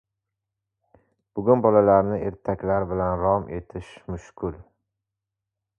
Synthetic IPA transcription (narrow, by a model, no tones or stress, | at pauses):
b̥ʊɡʲʊnbɒlalaɾnɪʔe̞ɾt̪ʰakʲlaɾbɪlanɾɒmʔe̞t̪ʰɪʃmʊʃkʰʊl